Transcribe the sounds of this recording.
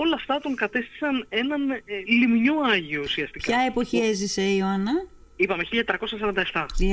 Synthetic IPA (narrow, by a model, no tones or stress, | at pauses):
o̞lɐːft̪ɐt̪o̞ŋkɐt̪e̞st̪i̥sɐne̞nɐnlimɲoɐʝio̞usiɐst̪ikɐepo̞çieziseioɐnɐ | ipɐmeçiʎɐɲɐt̪et̪ɾɐko̞sɐsɐɾɐnd̪ɐeft̪ɐ